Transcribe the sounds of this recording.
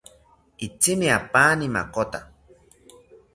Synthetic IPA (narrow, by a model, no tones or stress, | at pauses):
it͡simiapaːnima̰kot̪a